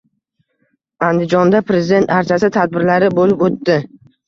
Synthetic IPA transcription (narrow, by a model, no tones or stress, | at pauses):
and̪ɪd͡ʒɒnd̪apɾe̞zɪd̪e̞nt̪aɾt͡ʃʰasɪt̪ʰad̪̚bɪɾlaɾɪbolɪpot̪ːɪ